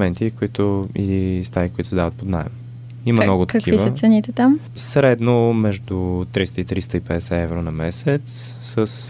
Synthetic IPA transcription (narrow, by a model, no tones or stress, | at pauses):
mɛnt̪ikoit̪ʊilist̪aɾikʊit̪ʊ̥sɛd̪avət̪pod̪na̰ɛ̰m | iməmnɔɡʊt̪əkiivəsəsɛnit̪ɛt̪am | sɾɛd̪nomɛʒd̪ʊt̪ɾist̪əit̪ɾist̪əipɛd̪ɛsɛɛvɾonɐmɛsɛt̪sː | əs